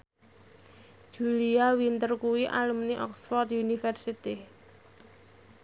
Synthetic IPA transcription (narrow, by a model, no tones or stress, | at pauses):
ʒ̥uliawint̪ərkuwiʔa̰ləmniʔɔ̰ksfɔrt̪unifɛrsit̪i